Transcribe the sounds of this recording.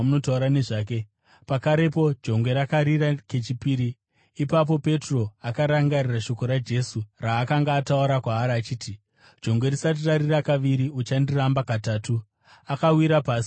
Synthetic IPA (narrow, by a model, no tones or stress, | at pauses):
muno̞tauɾane̞ʐaːk̬e̞ | pakaɾe̞po̞d͡ʒo̞ŋɡwe̞ɾakaɾirake̞t͡ʃipiːɾiː | pap̬o̞pe̞tro̞akaɾaŋɡariraʃo̞ko̞ɾad͡ʒe̞suraːkaŋɡaːtauɾakwaːɾaːt͡ʃiːti | d͡ʒo̞ŋɡwe̞risat̬iraɾirakaʋiɾiut͡ʃandirambakataːtu | akawiɾapaːsi̥